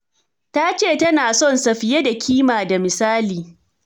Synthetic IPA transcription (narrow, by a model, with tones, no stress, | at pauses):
ta˦t͡ʃeː˦˨tɐ˦naː˨sɔ˦˨nsɐ˨ɸɪ˨je˦da˨kʲʰiː˦maː˨da˨mɪ˨saː˦liː˨